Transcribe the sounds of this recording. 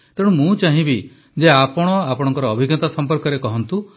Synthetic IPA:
t̪eɽũmũt͡ʃaɦĩbi | d͡ʒeapɔɽ̃ɔapɔɽɔ̃ŋkɔɾɔːbʱiɡɔt̪asɔmpɔɾkɔɾekɔɦɔnt̪u

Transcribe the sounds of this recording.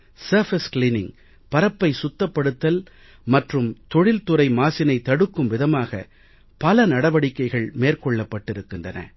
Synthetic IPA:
sɐɾfɐskliːnɪŋ | pɐɾɐpːɐɪsʊt̪ːɐpːɐɽɯt̪ːɐl | mɐʈrɯmt̪ɔɻɪlt̪ʊɾɐɪmaːsɪnɐɪt̪ːɐɽɯkːɯmʋɪðɐmaːɣɐ̰ | pɐlɐnɐɽɐʋɐɽɪkːɐɪɣɐɭmeːrkɔɭːɐpːɐʈːɪɾɯkːɪndrɐnɐ̰

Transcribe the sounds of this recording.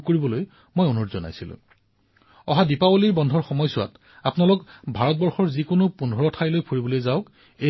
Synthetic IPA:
koɹibɔloj | mojunɔtzɔna̰jsilʊ̰̃ | ɔɦadipawoliɹbɔndʱɔɹxɔmɔjsʊwa̰t | apnalʊkbʱaɹɔt̚bɔɹxɔɹzikonʊpundʱɔɹɔtʰajlojpʰuɹibɔlojzaʊk | e

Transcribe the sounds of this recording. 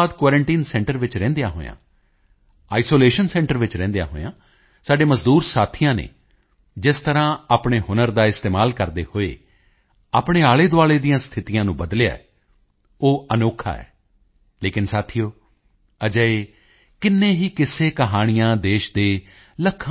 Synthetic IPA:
d̪kaːɾəɳʈiːnsɛ̃ːɳʈəɾʋɪt͡ʃɾɛ̃ːnd̪ejaːɦo̰ːjã̰ː | aːisoːleːʃənsɛ̃ːɳʈəɾʋɪt͡ʃɾɛ̃ːnd̪eja̰ːɦo̰ːjã̰ː | saːɖeːməzd̪uːɾsaːt̪ʰɪjãːnḛː | d͡ʒɪst̪əɾãːaːpɳeːɦʊnəɾd̪aːɪst̪eːmaːlkəɾd̪ḛːhoːḛː | aːpɳeːaːleːd̪oaːɭeːd̪ijãːst̪ʰɪt̪ijãːnũːbəd̪leja̰ːɛ̰ | oːənoːkʰa̰ːɛ̰ː | leːkɪnsaːt̪ʰijoː | əd͡ʒəeː | kɪnːẽːɦiːkɪseːkəɦaːɽ̃ɪjãːd̪eːʃd̪eː | ləkʰː

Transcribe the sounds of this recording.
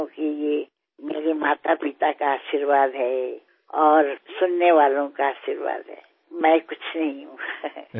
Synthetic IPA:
õːkije | mḛːɾemaːt̪apɪt̪akaaːʃiɾʋaːd̪ɦɛː | ɔːɾsʊnːeʋaːlõkaaːʃiɾʋa̰ːd̪ɦɛ̰ː | mɛ̃ːkʊt͡ʃʰnɐɦĩɦũːɡa

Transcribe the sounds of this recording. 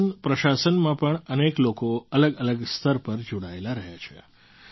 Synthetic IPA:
npɾəʃasənmãpəɳəneklokoələɡələɡst̪ʰəɾpəɾd͡ʒoɽaelaɾəɦjat͡ʃʰḛ

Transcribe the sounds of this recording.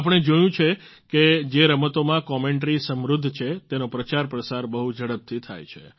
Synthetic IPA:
ap̬əɳ̃ed͡ʒəjũt͡ʃʰe | ked͡ʒeɾəmət̪omãkɔmeɳʈɾisəmɾud̪ʱːt͡ʃʰet̪enopɾət͡ʃaɾpɾəsaɾbəɦud͡ʒʱəɽəp̚t̪ʰit̪ʰa̰jt͡ʃʰḛ

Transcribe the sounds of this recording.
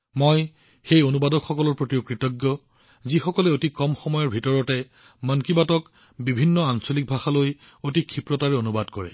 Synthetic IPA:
mɔj | xejonubadɔkxɔkɔlɔɹpɹotiokɹitɔɡjɔ | zixɔkɔlɛotikɔmxɔmɔjɔɹbʱitɔɹɔtɛ | mənkibatɔk | bibʱinːɔansolik̚bʱaxaloj | otikʰipɹɔtaɹɛonubadkɔɹɛ̰

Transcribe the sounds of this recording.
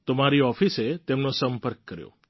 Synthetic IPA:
t̪omaɾiɔfiset̪emnõsəmpəɾkːəɾjo̰

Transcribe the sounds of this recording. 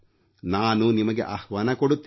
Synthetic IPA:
naːnunimɐɡḛʔɐhʋaːnɐkoɽut̪ː

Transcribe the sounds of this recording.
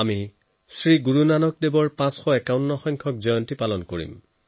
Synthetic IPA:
ami | sɹiɡuɹunanɔk̚debɔɹpãsxɔɛkawnːɔxɔjŋkʰɔk̚zɔjɔntipalɔnkoɹḭm

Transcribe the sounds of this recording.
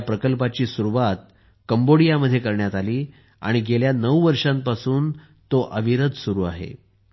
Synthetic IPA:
pɾəkəlpat͡ɕiːsuɾuʋat̪̚ | kəmboɽijaməd̪ʱːjekəɾɳjat̪aliː | a̰ɽ̃iɡeljanəwʋəɾʂãmpasuːn | t̪oʔəʋiɾəd̪suɾuːa̰ɦḛ

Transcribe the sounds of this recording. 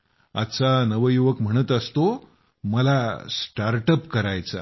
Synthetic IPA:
a̰t̪ːt͡sanəʋəjuʋəkm̤əɽ̃ət̪əst̪o | məlasʈaɾʈəpkəɾajt͡sa̰

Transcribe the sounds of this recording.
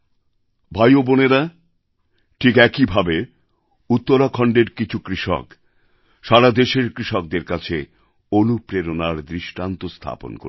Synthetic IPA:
bʱajoboneɾa | ʈʰikɛkibʱabe | ut̪ːoɾakʰɔɳɖeɾkit͡ɕʰukɾiʃɔ̰k | ʃaɾad̪eʃeɾkɾiʃɔk̚d̪eɾkat͡ɕʰe | onupɾeɾonaɾd̪ɾiʃʈant̪ost̪ʰa̰po̰nko̰

